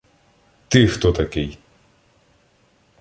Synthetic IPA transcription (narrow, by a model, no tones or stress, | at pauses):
t̪ɨxt̪ot̪akej